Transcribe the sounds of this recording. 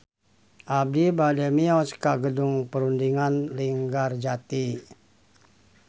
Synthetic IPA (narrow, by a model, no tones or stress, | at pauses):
ʔab̚dibadɛmiɔskaɡədʊŋpəɾundiŋanliŋɡard͡ʒat̪i